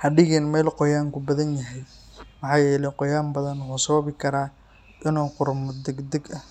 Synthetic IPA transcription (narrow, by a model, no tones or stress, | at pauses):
hɐɖɪɣɛːnmɛːlqɔjaːŋkʰʊbɐðɐnjɐɦɛj | mɑħɑːjɛːlɛjqɔjaːmbɐðɐnhuːsɐβɐβɪkʰɐɾaː | ʔɪnuːqʊrmɔd̪ɛɡd̪ɛɡɐ